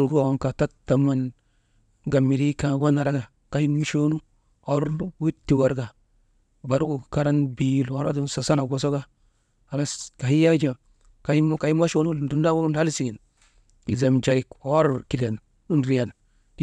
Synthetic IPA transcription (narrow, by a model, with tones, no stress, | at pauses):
lɡnka˨ta˦tːa˨ma˦n | ɡa˨mi˨ɾi˦kã˨ɡa˦na˨ɾa˦ɡa˨ | ka˨hi˦nmi˦ʃo˦nu˦ | a˨˦ɾnu˦wi˦tːi˨wa˨ɾɡa˨ | ba˨ɾu˦ɡu˨ka˦ɾa˦nbi˨˦˨la˨˦ɾa˦du˦n˦sa˨sa˦na˨ɡo˨so˦ɡa˦ | a˨la˦ka˨hi˦ja˦d͡ʒa˨ | ka˨i˦mo˦ka˨i˦m˦a˦ʃo˦nu˦lu˨du˨n˦da˦wo˦u˦nha˦lsi˨ɡi˨n | i˨ze˨md͡ʒa˨ɾi˦ko˦ɾki˨ɾa˨n | u˦nɾi˦ja˨n | di˦